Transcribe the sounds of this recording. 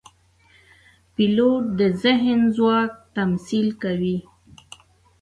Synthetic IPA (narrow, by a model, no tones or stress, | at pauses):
piloʈ̚d̪əzɪɦnzwɑk̚t̪amsilkawi